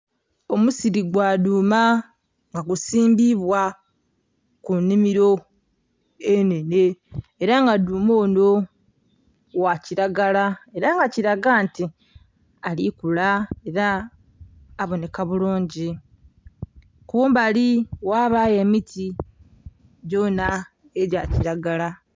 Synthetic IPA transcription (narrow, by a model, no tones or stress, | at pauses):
o̞musiɾiɡwaːduːma | ŋɡaɡusiːmbiβwa | kunːimiɾo̞ | ene̞ne̞ːɾaŋɡaduːmoːno | waciɾaɡalae̞ɾaŋɡaciɾaɡaːnti | alikulae̞ɾaː | βo̞ne̞kaβuluːɲɟi | kuumbaliwaːβaje̞mitʰi | ɟo̞na | eɟaciɾaɡala